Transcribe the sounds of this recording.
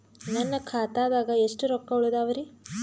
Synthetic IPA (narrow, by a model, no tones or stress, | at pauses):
nɐnːɐkʰaːt̪aːd̪aːɡɐeʂʈuɾɔkːɐuɭud̪aːʋɐɾi